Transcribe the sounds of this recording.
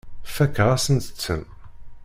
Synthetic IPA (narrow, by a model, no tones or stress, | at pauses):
fækːʁæsənt̪ə̥t͡sːə̰m